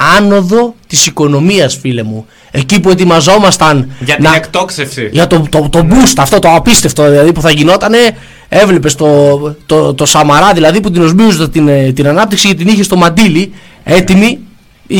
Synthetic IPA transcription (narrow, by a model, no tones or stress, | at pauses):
ɐno̞ðo̞t̪isiko̞no̞miɐsfile̞mu | e̞cipue̞t̪̬imɐzo̞mɐst̪ɐnʝɐt̪iɐekt̪oksefsiʝɐt̪o̞t̪ot̪o̞bust̪ɐːft̪o̞t̪oɐpist̪e̞ft̪oðilɐðipuθɐʝino̞t̪ɐne̞ | e̞vle̞pest̪o̞t̪ot̪o̞sɐmɐɾɐðilɐðiput̪̬ino̞zmiuzot̪t̪int̪inɐnɐp̚t̪iksicet̪iniçest̪o̞mɐnd̪ili | e̞t̪imi